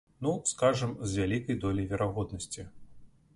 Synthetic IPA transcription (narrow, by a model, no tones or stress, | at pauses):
nuskaʐɐmzʲvʲalʲikɐjd̪ɔlʲivʲɛɾʔaɣɔd̪nɐsʲt͡sʲi